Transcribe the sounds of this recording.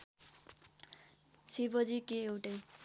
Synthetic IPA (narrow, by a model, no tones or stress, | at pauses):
sibʌd͡zikeewʈʌj